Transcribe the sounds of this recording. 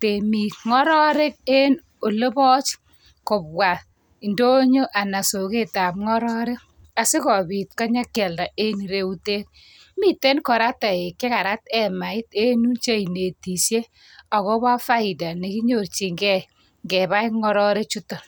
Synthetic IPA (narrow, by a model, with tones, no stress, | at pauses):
te˨mi˨ŋɔ˦ɾɔ˦ɾe˦k̚e˦n | o˨le˦bɔ˦t͡ʃ | kɔ˨p̚wa˨ | i˨ndo˦ɲo˦ʔa˨na˨so˨ke˦ta˨pŋɔ˦ɾɔ˦ɾe˦k | a˨si˦kɔ˨bi˨t̚kɔ˦ɲa˦kːɛ˨lda˨ʔe˦ni˨ɾe˦u˦te˦k̚ | mi˨te˦nkɔ˨ɾa˦ta˨e˨kːe˦ka˨ɾa˦tɛ˦ma˨ɪ˦te˦nu˦nt͡ʃe˦i˨ne˨ti˨sje˦ | ɔ˨kɔ˦ba˦fa˦ɪ˨da˨ne˨ki˦ɲo˦˨rt͡ʃi˨ŋɡɛ˦ | ŋɡɛ˨ba˦iŋɔ˦ɾɔ˦ɾe˦t͡ʃutɔ˨